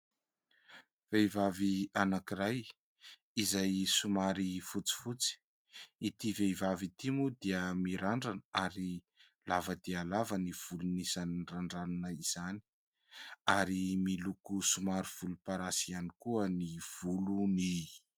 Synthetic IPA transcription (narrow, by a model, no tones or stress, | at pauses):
v̥eivavianakiɾaj | izajsumaɾifut͡si̥fut͡si̥ | it̪ivevavit̪imud̪iəmiɾaɳɖ͡ʐanaɾi | lavəd̪ialavəniv̥ulunisaninraɳɖ͡ʐanunəiz̥ani̥ | aɾimilukusumaɾiv̥ulupaɾasianikuəniv̥uluni